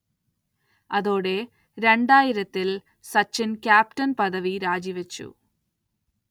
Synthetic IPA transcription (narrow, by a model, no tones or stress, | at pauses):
ɐðo̞ːɽe̞ | ɾe̞ɳɖaːjiɾɐt̪ːil | sɐt͡ɕːinkʲjaːp̚tɐnpɐðɐʋiɾaːd͡ʑiʋɐt͡ɕːṵ